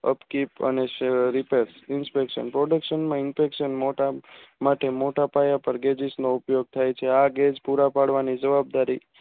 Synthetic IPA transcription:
ə̰pkipə̰neɾipesɪnspekʃə̰npɾoɖəkʃənmãɪnfekʃənmoʈamaʈemoʈapajapəɾɡed͡ʒisnoupjoɡ̚t̪ʰajt͡ʃʰeaɡed͡ʒpuɾapaɽʋanid͡ʒəʋab̚d̪aɾi

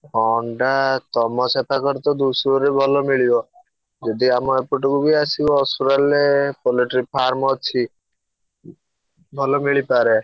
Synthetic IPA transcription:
ɔɳɖat̪ɔmɔsepʰakɔɾt̪ɔd̪usɾɔɾebʱɔlɔmiɭibɔ | d͡ʒɔd̪iamɔepuʈɔkubiasibɔːsuɾalepɔliʈɾipʰaɾmɔt͡ʃʰi | bʱɔlɔmiɭipaɾe

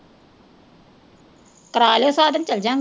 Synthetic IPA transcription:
kɾaːlesaːd̪ɐnt͡ɕɐld͡ʒaŋ

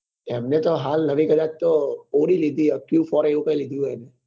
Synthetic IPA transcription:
ɛmnet̪oɦalːəʋikəd̪at͡ʃt̪ooɽilid̪ʱiəkjufɔɾeukəjlid̪ʱũɦɔjne

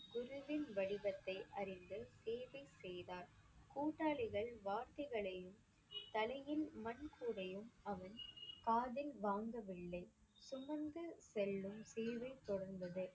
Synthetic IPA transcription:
ɡʊɾʊʋɪnʋɐɽɪbɐt̪ːɐɪʔɐɾɪnd̪ɯseːʋɐɪsɛjðaːɾ | kuːʈːaːɭɪɣɐɭʋaːɾt̪ɐɪɣɐɭɐjɯm | t̪ɐlɐjɪlmɐnkuːɽɐjɯmɐʋɐnkaːðɪlʋaːŋɡɐʋɪɭːɐɪ | sʊmɐɾnd̪ɯsɛlːɯmseːʋɐɪt̪ːɔɽɐɾnd̪ɐðɯ

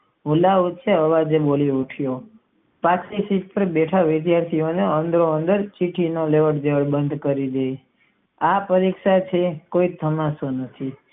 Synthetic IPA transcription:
ʋulaut͡ʃʰeəʋad͡ʒeboliuʈʰjo | pakʰsisiʈ̚pəɾbeʈʰaʋɪd̪jaɾt̪ʰioneənd̪ɾoənd̪əɾt͡ʃiʈʰinoleʋəɽd͡ʒeʋəɽbənd̪ʱkəɾid̪ej | apəɾikʃat͡ʃʰekoit̪ʰəmasonət̪ʰi

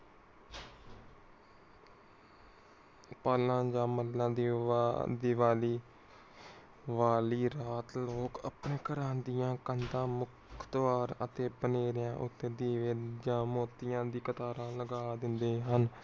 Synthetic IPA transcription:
paːlãːd͡ʒãːməlːãːd̪id̪iːʋaːliː | ʋaːliːɾaːt̪loːkə̰pnẽːkəɾaːnd̪ɪjãːkənd̪ãːmʊkʰt̪ʋaːɾət̪eːbəneːɾjãːʔʊt̪ːeːd̪iːʋed͡ʒãːmoːt̪ːɪjãːd̪iːkət̪aːɾãːləɡaːd̪ɪnd̪eːɦən

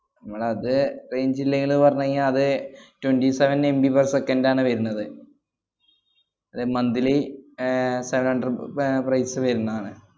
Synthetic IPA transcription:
nɐmːɐɭɐðɨrejɲd͡ʑilːɐŋɡiɭpɐrɐɲːɐŋɐðɨtwenɖiseʋɐnembibɐrsekːɐndaːɳɨʋɐɾunːɐðɨ | ɐðɨmɐnd̪ile | seʋɐnhɐɳɖɐrprɐjsɨʋɐɾunːɐðaːɳɨ

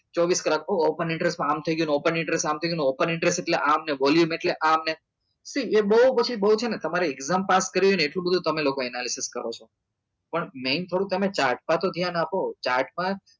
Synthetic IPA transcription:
t͡ʃɔʋiskəlakoːpənɪ̃ɳʈɾesʈmãamt̪ʰəiɡjũnopənɪ̃ɳʈɾesʈamt̪ʰəiɡjũneopənɪɳʈɾesʈeʈleʔamneʋɔljumeʈleʔamne | siebəɦupət͡ʃʰibəɦut͡ʃʰenet̪əmaɾeeɡzampaskəɾiʋjoneeʈlũbəd̪ʱũt̪əmelokoɛnalisiskə̰ɾot͡ʃʰo | pəɳment̪ʰəɽũt̪əmet͡ʃaɾʈ̚pãt̪od̪ʱjanapot͡ʃaɾʈmã

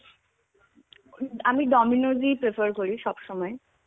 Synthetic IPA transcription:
amiɖɔminozipɾefʰəɾkoɾiʃɔbʃɔmɔe

